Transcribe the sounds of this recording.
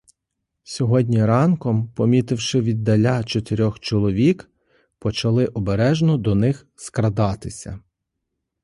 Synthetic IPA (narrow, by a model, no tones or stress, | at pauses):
sʲɔɦɔdʲnʲiɾɑnkɔmpɔmʲit̪ɪwʃɪʋʲid̪ːɐlʲat͡ʃɔt̪ɪɾʲɔxt͡ʃɔlˠɔʋʲik | pɔt͡ʃɐlˠɪʔɔbeɾɛʒnɔd̪ɔnɪx | skɾɐd̪ɑt̪ɪsʲɐ̰